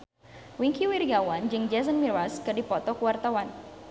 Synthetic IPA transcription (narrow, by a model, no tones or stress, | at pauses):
wiŋkiwirɡawand͡ʒɨŋd͡ʒɛs̬ənmiraskɨrdipɔt̪ɔkəwart̪awan